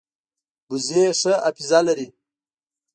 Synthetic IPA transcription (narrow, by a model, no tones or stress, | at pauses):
buzeʂəapizalaɾi